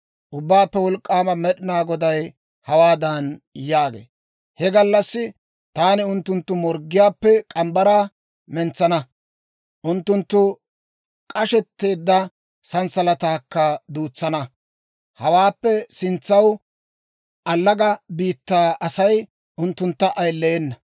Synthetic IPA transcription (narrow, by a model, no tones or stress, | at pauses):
ʔʊbːaːpːɛwɔlkʼːaːmɐmɛɗɪnaːɡɔd̪ɐj | hɐwaːd̪ɐnjaːɡḛː | hɛɡɐlːɐsːɪ | t̪aːnɪʊnt̪ːʊnt̪ːʊmɔɾɡːɪjaːpːɛkʼɐmbɐɾaː | mɛnt͡sːɐnɐ | ʔʊnt̪ːʊnt̪ːʊ | kʼɐʃɛt̪ːe̞ːd̪ːɐ | sɐnsɐlɐt̪aːkːɐd̪uːt͡sːɐnɐ | hɐwaːpːɛsɪnt͡sːɐw | ʔɐlːɐɡɐbiːt̪ːaːʔɐsɐj | ʔʊnt̪ːʊnt̪ːɐʔɐjlːeːnːɐ